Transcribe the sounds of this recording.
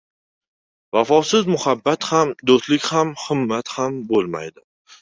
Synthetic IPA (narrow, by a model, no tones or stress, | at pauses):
vafɒsɪzmʊhabːat̪hamd̪ost̪lɪkʲhamhɪmːat̪hambolˠma̰jd̪ɪ